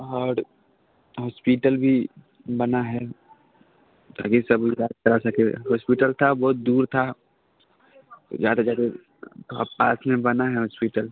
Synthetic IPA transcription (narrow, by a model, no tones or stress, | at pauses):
ɔːɾ | ɦɔːspiːʈəlbʱi | bɐnaɦɛ | t̪ʰa̰ːkisɐbaːd̪̚t͡ʃɐɾasɐkeɦɔːspiːʈəlt̪ʰabɔːt̪̚d̪uːɾt̪ʰa | d͡ʒaːd̪ad͡ʒaːt̪e | t̪oa̰pa̰ːsmẽbɐnaɦɛɦɔːspiːʈəl